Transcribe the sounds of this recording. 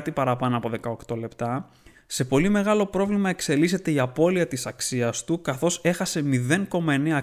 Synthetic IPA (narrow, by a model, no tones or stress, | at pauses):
t̪ipɐɾɐpɐnoɐpo̞ðe̞kɐo̞kt̪o̞le̞pt̪ɐ | se̞po̞lime̞ɣɐlo̞pɾo̞vlimɐe̞kse̞lise̞t̪e̞iɐpo̞liɐt̪isɐksiɐst̪ukɐθo̞se̞xɐse̞miðe̞ŋko̞mɐe̞ne̞ɐ